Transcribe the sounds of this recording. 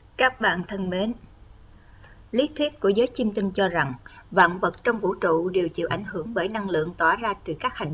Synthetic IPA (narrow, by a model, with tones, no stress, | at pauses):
kaː˦˥k̚ɓa̰ː˧˨nt̪ʰə˧nme˨˦n | li˦˥t̚t̪ʰwi˦˥t̚kːu˧˩əzəː˨˦jt͡ɕi˧mt̪ï˧ŋ̟t͡ɕɔ˧za˨˩ŋva̰ː˧˨nvə˨˩t̚t͡ɕɔ˧wŋ͡mvṵ˧˥t͡ɕṵ˧˨ɗe˨˩wt͡ɕḭ˧˨wʔa˧˩jŋ̟hɨ˧˩əŋɓəː˧˩jna˧ŋlɨ̰˧˨əŋt̪waː˧˩zaː˧t̪ɨ˨˩kaː˦˥k̚ha˧˨˩jŋ̟